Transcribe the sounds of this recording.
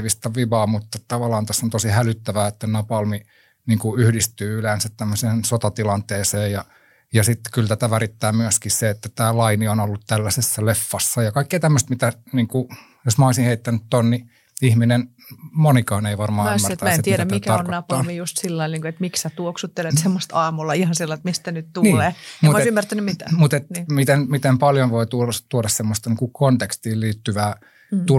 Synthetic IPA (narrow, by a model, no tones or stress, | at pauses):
ʋist̪ɑʋiʋɑːmut̪ːɑtt̪ɑʋɑlɑːnt̪æsːont̪osihælyt̪ːæʋæːet̪ːænɑpɑlmi | niːŋkuyhdist̪yːylensæt̪t̪æmːøseːnsot̪ɑt̪ilɑnt̪eːseːjjɑ | jɑsit̪ːkylt̪æt̪æʋærit̪ːæːmyæskiseet̪ːæt̪æːlɑinionolːut̪t̪ælːæsesːælefːɑsːɑjɑkɑikːeːt̪æmːøst̪mit̪æniːŋku | josmɑoisinheit̪ːænyt̪t̪onni | ihminen | monikɑːneiʋɑrmɑːmːæt̪ɑæesnseieɾæmæitkæɑronkoɑpːɑʋijust̪silːɑinniːŋkuet̪miksæt̪uoksut̪ːelet̪semːost̪ɑːmulːɑihɑnsilːɑit̪mist̪ænytt̪uniːlːeːmuoisymːært̪ænːymit̪æ̰mut̪et̪ːmit̪enmit̪empɑljonʋoit̪ulɑst̪uoɾɑssemːost̪ɑniːŋkukont̪ekst̪iːlliːt̪ːyʋæː | t̪u